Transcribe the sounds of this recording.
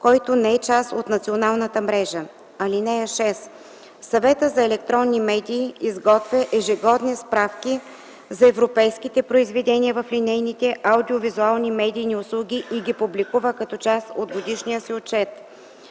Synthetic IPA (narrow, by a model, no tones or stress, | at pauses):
kɔjt̪onɛɛt͡ʃasot̪nɐt̪sionalˠnət̪əmɾɛʒə | ɐlinɛjəʃɛs | sɐvɛt̪əzɐɛlɛkt̪ɾɔnːimɛd̪iːizɡɔt̪vʲəʔɛʒɛɡɔd̪nispɾafkʲi | zɐɛvɾopɛjskit̪ɛpɾoizvɛd̪ɛniəvɐflinɛjnit̪ɛʔɐwd̪iovizualˠnimɛd̪ʲijniʊslˠuɡʲiʔiɡʲipublikuvəkɐt̪ɔt͡ʃasod̪ɡod̪iʃnijəsiot͡ʃɛt̪